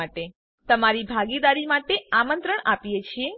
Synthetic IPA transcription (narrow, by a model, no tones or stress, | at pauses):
aʈe | t̪əmaɾibʱaɡid̪aɾimaʈeamənt̪ɾəɳapijet͡ʃʰie